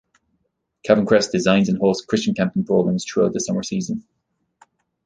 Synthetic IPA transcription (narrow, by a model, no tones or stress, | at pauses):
kʰævə̃nkɹ̥ɛsd̥ɪzãɪ̃nzə̃nɦɔlˠz̥kʰɹ̥ɪst͡ʃə̃nkʰæ̃mp̚tɪ̃npʰɹ̥ɔɡə̃mz̥tʰɹ̥uaʊðəsʌmə˞siːzə̃n